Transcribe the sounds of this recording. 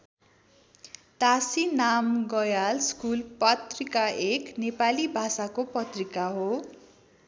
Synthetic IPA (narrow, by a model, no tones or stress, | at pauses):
t̪asinamɡʌjalskulpʌt̪rikaeknepalibʱasakopʌt̪rikaɦo